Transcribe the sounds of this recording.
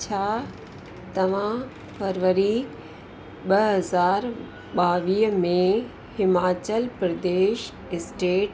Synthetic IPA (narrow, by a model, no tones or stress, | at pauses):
t͡ɕʰaː | t̪ɐʋ̤ã | fʰɐɾʋəɾi | ɓɐɦɐzaːɾ | ɓaːʋiːɦmẽ | hɪmaːt͡ɕəlpɾɐd̪eːʃ | ɪsʈeːʈ